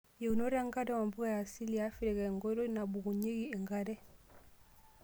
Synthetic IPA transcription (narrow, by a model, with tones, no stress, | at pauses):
je˨u˨no˦ɾa˦ŋɡa˦dɛ˦wa˨mbu˦ɣa˦˨ja˨si˦li˦a˨˦fi˦ɾɛ˨ɣɛ˨ŋɡɔ˦ɾɔ˦na˨bu˨ɡu˨ɲe˦ɡi˦e˨ŋɡa˦ɾɛ˦